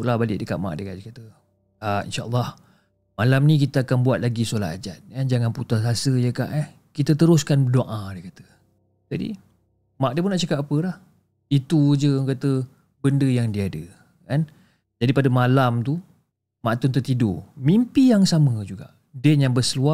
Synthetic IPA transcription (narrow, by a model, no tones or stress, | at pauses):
ʔlahbalɪʔdəka̰ʔ̪̚ma̰ʔdəkaʔ̚dəkat̪ə | aḭnʃaʔlːɑh | malamnĩk̬it̪əakanbuat̪̚laɡisolat̪a̰d͡ʒat̪̚kand͡ʒaŋanput̪asasəjəka̰ʔəh | kit̪ət̪əɾʊskanbədoʔãdəkat̪ə̥ | d͡ʒadḭ | maʔ̚dəp̬ʊnaʔt͡ʃakap̚apəlah | it̪ud͡ʒəŋkat̪ə | bəndəjaŋdiadə | kan | d͡ʒadipadəmalamt̪u | maʔt̪ʊnt̪ət̪ido̰mimpijaŋsaməd͡ʒuɡa̰ʔ | dɛnjaŋbəsəlua